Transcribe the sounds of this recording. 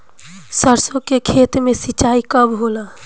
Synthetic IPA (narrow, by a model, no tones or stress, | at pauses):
səɾsõkekʰeːt̪mẽsit͡ʃaːikəbɦola